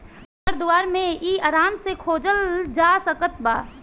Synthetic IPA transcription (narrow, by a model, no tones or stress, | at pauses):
əɾd̪ʊaːɾmẽiːɐɾaːnsekʰoːd͡ʒəld͡ʒaːsəkət̪ba̰ː